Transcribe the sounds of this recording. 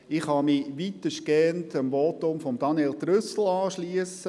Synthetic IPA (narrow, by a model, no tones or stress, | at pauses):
ɪχhɑmiʋit̪əʃkɛntəmʋotʊmfɔmd̥ɑnɛltɾʏsl̩ɑːʃliəsə